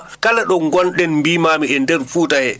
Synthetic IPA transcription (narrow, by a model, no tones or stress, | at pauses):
kalaɗɔŋɡɔnɗɛnmbiːmaːmiɛndɛɾfuːtahɛ